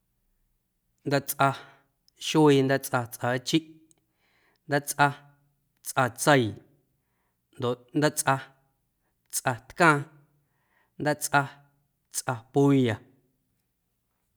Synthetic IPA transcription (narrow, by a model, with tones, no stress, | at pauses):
nd̪a˦t͡sʼʔa˧ | ʃiː˧nd̪a˦t͡sʼʔa˧t͡sʼʔaː˨˦t͡ʃi˦ʔ | nd̪a˦t͡sʼʔa˧ | t͡sʼʔa˧t͡sə˧j | nd̪o˨ʔnd̪a˦t͡sʔa˧ | t͡sʼʔa˧t̪kãː˦˧ | nd̪a˦t͡sʼʔa˧ | t͡sʔa˧pu˦ja˨